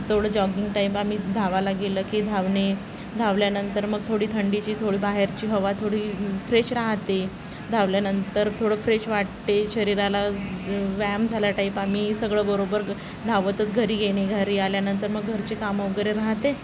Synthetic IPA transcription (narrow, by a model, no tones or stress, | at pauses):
t̪ʰoɽəːd͡ʑɔɡiŋɡʈaipam̤iːd̪ʱaʋalaɡeləːkiːd̪ʱaʋɳe | d̪ʱaʋljanənt̪əɾməɡt̪ʰoɽiːt̪ʰəɳɖit͡ɕiːt̪ʰoɽiːbaɦeɾt͡ɕiːɦəʋat̪ʰoɽiːfɾeɕɾaɦt̪e | d̪ʱaʋljanənt̪əɾt̪ʰoɽəfɾeɕʋaʈt̪eɕəɾiɾala | ʋæmd͡zʱaljaʈaipamiːsəɡɭəːbəɾobəɾ | d̪ʱaʋət̪ət͡sɡʱəɾiːɡeɽ̃eɡʱaɾiːaljanənt̪əɾməɡːʱəɾt͡ɕekamɔɡəɾeɾaɦt̪e